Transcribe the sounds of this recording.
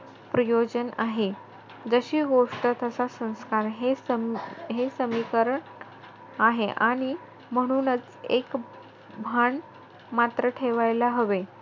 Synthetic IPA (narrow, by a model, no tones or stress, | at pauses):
pɾəjod͡ʑənaɦe | d͡zəɕiːɡoʂʈət̪əsasə̃w̃skaɾɦe | ɦesəmikəɾəɳ | aɦeʔaɽ̃i | m̤əɽ̃uːnət͡s | ḛk | bʱaɳ | mat̪ɾəʈʰeʋajlaɦəʋe